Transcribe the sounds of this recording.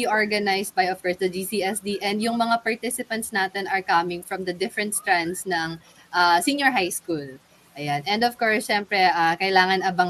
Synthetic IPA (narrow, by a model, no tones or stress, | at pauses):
iʔoɹɡɐnajst̪̚bɐjɔv̥kɔɹsd̪ɐd͡ʒisiːɛsd̪iʔɛ̃nd̪jʊŋmɐŋapɐɹt̪ɪsɪpɐnt̪snaːt̪ɛnɐɹkɐmɪŋfɹɐ̃md̪ɐd̪ɪfɾɛ̃nt̪st̪ɹand̪snɐŋ | ʔasinjɔɹɦajskul | ʔɐjanʔɛnd̪ɔvkoɹsʃɛmpɾɛʔakɐjlaːŋɐnɐbɐŋ